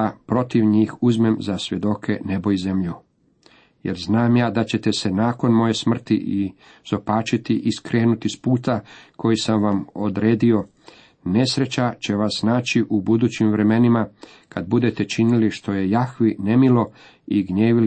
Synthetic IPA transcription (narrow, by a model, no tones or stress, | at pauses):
apɾo̞t̪iʋɲiːxuzme̞mzasʋje̞d̪o̞kʰe̞ne̞bo̞jizemʎu | je̞̰ɾznaːmjaːd̪at͡ɕe̞t̪e̞se̞naːko̞nmo̞je̞smr̩t̪iʔi | z̥o̞paːt͡ʃit̪iʔiskɾe̞ːnut̪ispuːt̪akʰo̞jisamʋamo̞d̪ɾe̞ːd̪io̞ | ne̞sɾe̞t͡ɕat͡ɕe̞ʋasnaːt͡ɕiʔubud̪uːt͡ɕimʋɾe̞me̞nima | kʰad̪̚bud̪e̞t̪e̞t͡ʃiniliʃt̪o̞je̞jaxʋine̞milo̞ | iɡɲeːʋil